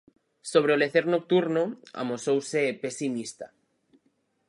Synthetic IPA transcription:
soβ̞ɾeoleθeɾnok̚t̪uɾnoa̰mosowsepesimist̪a

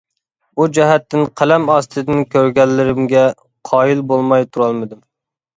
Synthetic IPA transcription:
ud͡ʒɛɦɛt̪ːɪnqʰælɛmɑst̪ʰɨd̪ɪnkʲʰøɾɡʲɛlːɪɾɪmɡʲɛ | qʰɑːjilbolˠmɑjt̪ʰuɾɑlˠmɨd̪ɪm

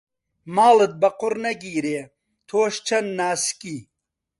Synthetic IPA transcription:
maːlɨd̪̚bɐqʊɾnɐɡiːɾeː | t̪ʰoːʃt͡ʃʰɐnːaːski

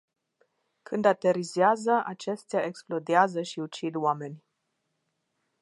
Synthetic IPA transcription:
kʰɨnd̪at̪e̞ɾizeazəʔat͡ʃe̞st̪jaeksplo̞d̪eazəʃiut͡ʃid̪wame̞nʲ

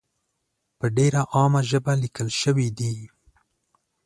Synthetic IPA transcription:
pəɖeɾaʔɑmaʒəbalikəlʃəwid̪i

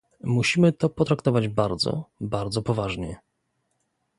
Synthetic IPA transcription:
muɕimɘt̪ɔpɔt̪ɾakt̪ɔvad͡ʑbaɾd̪zɔ̰baɾd̪zɔpɔvaʐɲɛ

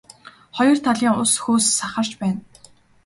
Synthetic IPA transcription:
χɔjɞ̆r̥t̪ʰaɮiːŋʊsxuːsːaχə̆r̥t͡ɕpæːn

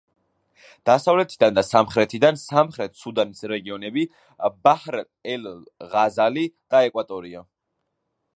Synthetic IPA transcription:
d̪̥asavlɛt̪ʰid̪and̪asamχɾɛt̪ʰid̪ansamχɾɛt̪ʰsud̪anisɾɛɡiɔnɛbi | bahɾ | ɛllʁazalid̪̥aɛkʼwat̪ʼɔɾia

